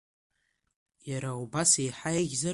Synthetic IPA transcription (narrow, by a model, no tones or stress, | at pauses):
jaɾaubasejħajaɣʲzɨ